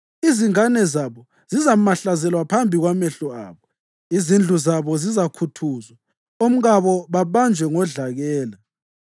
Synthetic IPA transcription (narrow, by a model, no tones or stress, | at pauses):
iziŋanɛzaβɔ | z̥izamaɬazɛlwapʰambʱiɣwamɛɬɔa̰ːβɔ | izind͡ɮʱuzaβɔzizakʰutʰuːzwa | om̩ɣaβɔβaβand͡ʒʱwɛŋɔɮaɣɛːla